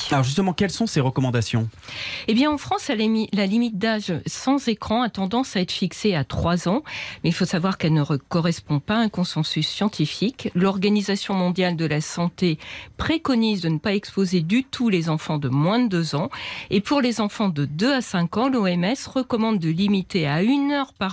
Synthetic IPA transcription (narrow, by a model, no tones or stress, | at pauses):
alɔʁʒys̬t̪əmɑ̃kɛlsɔ̃seʁəkɔmɑ̃d̪asjɔ̃ebjɛ̃ɑ̃fχɑ̃salalimit̪̚d̪aʒsɑ̃zekχɑ̃at̪ɑ̃d̪ɑ̃saɛt̪χfikseat̪χwazɑ̃mɛilfosavwaʁkɛlnəʁəkɔʁɛspɔ̃paɛ̃kɔ̃sɑ̃sysːjɑ̃t̪ʰifiklɔʁɡanizasjɔ̃mɔ̃d̪jald̪əlasɑ̃t̪epχekɔnizd̪ənəpaɛkspozed̪yt̪ʰulezɑ̃fɑ̃d̪əmwɛ̃d̪d̪øzɑ̃epuʁlezɑ̃fɑ̃d̪əd̪øasɛ̃kɑ̃loɛmɛsʁəkɔmɑ̃d̪ːəlimit̪eaynœʁpaʁ